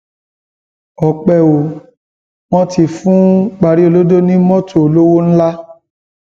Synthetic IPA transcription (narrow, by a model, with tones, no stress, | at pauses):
ɔ˨k͡pɛ˨o˨ | w̃ɔ̃˧ti˨fũ˨˦k͡pa˨˧ɾi˦o˧lo˦do˦nĩ˦mɔ̃˦tʰo˨o˨lo˦wo˦ñ̩˦la˦